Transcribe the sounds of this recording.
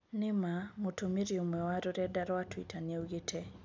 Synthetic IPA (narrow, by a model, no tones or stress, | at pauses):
nɪmamotomiɾjomɛwaɾoɾɛdaɾɔatwitʰanjewɡetʰɛ